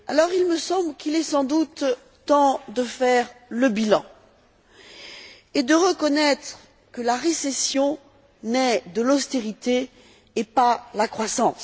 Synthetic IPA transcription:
a̰lɔʁilməsɑ̃blkilɛsɑ̃d̪ut̪ | t̪ɑ̃d̪əfɛʁləbilɑ̰̃ | ed̪əʁəkɔnɛt̪χ | kəlaʁesɛsjɔ̃ | nɛd̪əlɔst̪eʁit̪eː | palakχwasɑ̃s

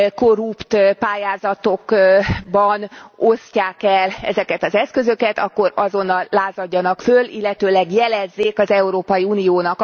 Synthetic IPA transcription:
koɾupt̪paːjaːzɒt̪o̞kbɒno̞scaːkɛlɛ̰zɛkɛt̪ɒzɛskø̞zø̞kɛt̪ɒkːo̞ɾɒzo̞nːɒlːaːzɒɟːɒnɒkfølḭlːɛt̪øːlɛɡjɛlɛzːeːkɒzɛuɾoːpɒjiunijoːnɒk

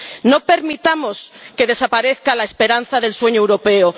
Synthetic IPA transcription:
no̞pe̞ɾmit̪amoskeð̞e̞sapaɾeθkalaespe̞ɾanθaðe̞lswe̞ɲoewɾopeo

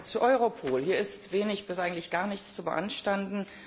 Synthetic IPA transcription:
t͡suʔɔʏʁopʰoːlhiːɐɪstv̥eːnɪçb̥ɪsʔaɪɡŋ̩tlɪçɡ̥aːɐnɪçt͡st͡subəʔa̰nʃtandn̩

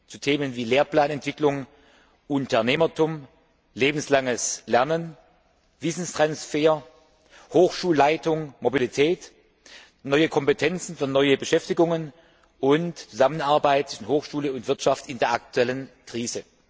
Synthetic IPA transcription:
t͡sutʰeːmənviːleːɐpl̥aːnɛntv̥ɪklʊŋ | ʔʊntɐneːmɐtʰʊm | leːbn̩slaŋəslɛɐnən | v̥ɪsn̩stʁ̥ansfeːɐ | hoːxʃuːlaɪtʊŋmobilitʰɛːt | nɔʏəkʰɔmpətʰɛnt͡sn̩fyːɐnɔʏəbəʃɛftɪɡʊŋən | ʔʊntt͡suzamənaɐbaɪtt͡sɪ̥ʃn̩hoːxʃuːləʊntv̥ɪɐtʃaftɪndeːɐak̚tʰuɛlənkʁ̥iːzə

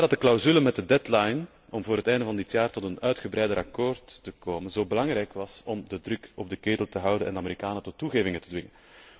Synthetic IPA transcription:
dɑt̚dəklawzyləmɛt̚dədɛtlajn | ɔmvoːɾɦətɛjndəvɑndɪtjaːrtɔtənœɥtxəbɾɛjdəɾʔɑkoːrtːəkoːmənzoːbəlɑŋrɛjkʋɑsɔmdədrʏkɔb̚dəkeːtəlˠtəɦʌwdənɛ̰ndəameɾikaːnətɔtːuɣeːvɪŋətədʋɪŋən

